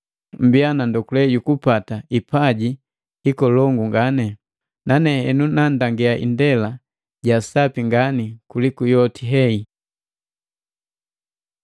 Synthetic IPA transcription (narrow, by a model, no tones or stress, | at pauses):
m̩bianandɔkulɛɟukupataipaɟi | hikɔlɔŋɡuŋɡanɛ | nanɛhɛnunandaŋɡɛaʔḭndɛla | ɟasapiŋɡanikulikujɔtiɦɛi